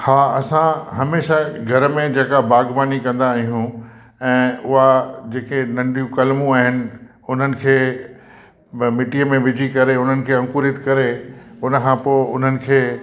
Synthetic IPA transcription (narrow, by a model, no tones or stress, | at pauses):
xaːɐsãɦɐmeːʃaɡʱɐɾmẽd͡ʑeːkabaːɡbaːnikɐ̃nd̪aːɦijũ | ɛ̃ːʊɦad͡ʑeːkenɐ̃ɳɖijũkɐlmũaːɦɪnɪ̆ | ʊn̤ənɪ̆kʰeː | mɪʈiəmẽʋɪd͡ʑʱikɐɾeʊn̤ənɪ̆kʰeːɐ̃ŋkʊɾɪt̪kɐɾeʊnəkʰãpoːɪʊn̤ənɪ̆kʰeː